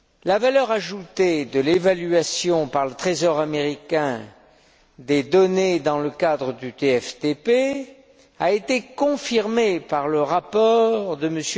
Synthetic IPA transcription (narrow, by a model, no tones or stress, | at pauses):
lavalœʁaʒut̪ed̪əlevalyasjɔ̃paʁlət̪χezɔʁameʁikʲɛ̃ | d̪ed̪ɔned̪ɑ̃ləkad̪ʁəd̪yt̪eɛft̪epe | aet̪ekɔ̃fiʁmepaʁləʁapɔʁd̪əməsj